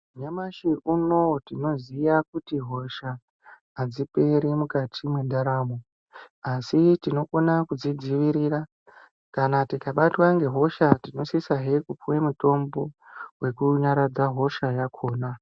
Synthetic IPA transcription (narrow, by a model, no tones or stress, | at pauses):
ɲamaʃiuno̞tino̞zijakutiɦo̞ʃaː | d͡zipeɾimukatʰimwe̞ndaɾaːmo | asitino̞konakud͡zid͡ziʋiɾira | kanatikaɓatwaŋɡe̞ɦo̞ʃatino̞sisaɦekupuwemuto̞mbo̞we̞kuɲaɾad͡zaɦo̞ʃajakʰo̞ːna